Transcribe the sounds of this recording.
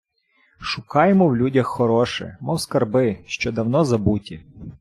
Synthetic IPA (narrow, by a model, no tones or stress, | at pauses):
ʃʊkɑjemɔwlʲudʲɐxːɔɾɔʃɛ̰mɔwskɐrbɪʃt͡ʃɔd̪ɐwnɔzɐbutʲi